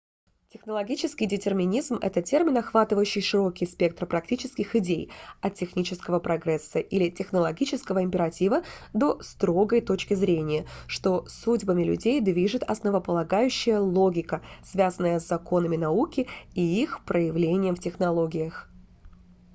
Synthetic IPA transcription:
tʲɪxnəlˠɐɡʲit͡ɕɪskʲɪjdʲɪtʲɪrmʲɪnʲizmɛ̰t̪ətʲe̞rmʲɪnɐxvat̪ɨvəjʉɕːɪjʂɨɾo̞kʲɪjspʲe̞k̚t̪rpɾɐk̚tʲit͡ɕɪskʲɪxɪdʲejɐt̪̚ʲtʲːɪxnʲit͡ɕɪskəvəpɾɐɡɾɛsːəʔilʲɪtʲɪxnəlˠɐɡʲit͡ɕɪskəvəɪmʲpʲɪɾɐtʲivəd̪o̞st̪ɾo̞ɡəjt̪ot͡ɕkʲɪzɾʲenʲɪjəʂt̪o̞sudʲbəmʲɪlʲʉ̰dʲejd̪vʲiʐɨt̪ɐ̰snəvəpəlˠɐɡajʉɕːɪjəlˠo̞ɡʲɪkəsvʲazənːəjəzzːɐko̞nəmʲɪnɐukʲɪiixpɾəjɪvlʲenʲɪjəmftʲɪxnɐlˠo̞ɡʲɪjəx

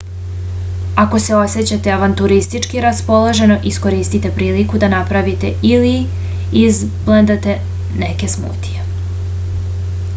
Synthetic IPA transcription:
ako̞se̞o̞set͡ɕat̪e̞aʋant̪uɾist̪it͡ʃkiɾaspo̞loʒe̞no̞ʔisko̞ɾiːst̪it̪e̞pɾiːlikud̪anapɾaʋit̪e̞̰ili | iz | bled̪at̪e̞ | neke̞smṵːt̪ije

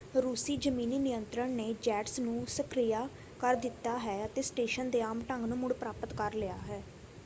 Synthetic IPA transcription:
ɾuːsiːd͡ʒəmiːniːnɪjənt̪ɾəɳneːd͡ʒɛːʈsnũːsəkʰɾijaː | kəɾd̪ɪt̪ːaːɦɛːət̪eːsʈeːʃənd̪eːaːmʈəŋɡnũːmʊɽpɾaːpət̪kəɾlɪjaːɦɛː

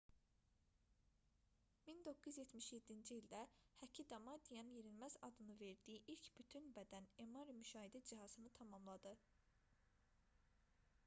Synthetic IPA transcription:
mind̪o̞kːuzjet̪ʰmiʃje̞d̪ːind͡ʒiild̪æhæcʰid̪ɑmɑd̪ijɑnjeɾilmæzɑd̪ɯnɯve̞ɾd̪ijiʔilcbyt̪ʰynbæd̪ænemɑɾimyʃɑːɦid̪æd͡ʒiɦɑzɯnɯt̪ʰɑmɑmlˠɑd̪ɯ

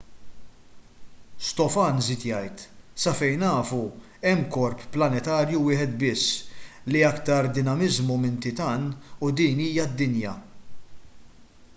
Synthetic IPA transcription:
st̪ɔfɐnzɪt̪jɐjt̪sɐfɛjnɐːfu | ɛmːkɔɾpːlɐnɛt̪ɐːɾjuwɪːħɛt̪bɪsːliɐkt̪ɐɾd̪ɪnɐmɪzmumɪnt̪ɪt̪ɐːnud̪iːniːjɐd̪ːɪnjɐ

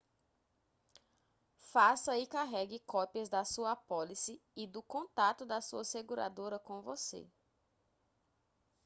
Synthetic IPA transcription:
fasɐɪkaɦɛɡɪkɔpiɐzd̪ɐsuɐapɔlisɪɪd̪ʊkõt̪at̪ʊd̪ɐsuɐseɡuɾa̰d̪oɾɐkõvosḛ

